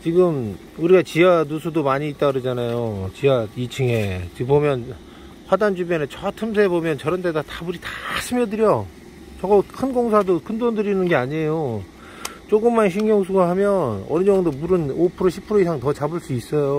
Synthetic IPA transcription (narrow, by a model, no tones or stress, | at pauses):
t͡ɕiɡɯm | uɾiɡat͡ɕianusʰudomaɲiːt͈aɾɯd͡ʑanajot͡ɕiait͡ɕʰɯŋet͡ɕipomjʌn | ɸwadand͡ʑubjʌnet͡ɕʰʌatʰɯmsʰebomjʌnt͡ɕʌɾʌndedatabuɾitḁsʰɯmjʌdɯɾjʌ | t͡ɕʌɡakʰɯnɡoŋsʰadokɯndondɯɾinɯnɡe̞aɲejo | t͡ɕ͈oɡɯmːanɕʰinɡjʌŋsʰuɡahamjʌnʌ̰niɲʌŋdomuɾɯnopʰɯɾoɕʰipʰɯɾoisʰaŋtʌt͡ɕabɯɭs͈uis͈ʌjo